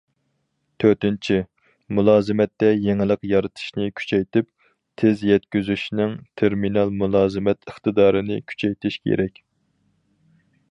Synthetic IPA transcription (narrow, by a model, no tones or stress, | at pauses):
t̪ʰøɾt̪ɪnt͡ʃʰi | mulˠɑːzɨmɛt̪ːɛjeŋɪlˠəqjɑɾɨt̪ʰɨ̥ʃnɪkʲʰy̥t͡ʃʰɛjt̪ɪp̚ | t̪ʰɪzjɛt̪kʲyzyʃnɪŋt̪ʰeɾminɑlˠmulˠɑːzɨmɛt̪əχt̪ɨd̪ɑːɾɨnɪkʲʰy̥t͡ʃʰɛjt̪ʰɪʃkʲʰḛɾɛkʲ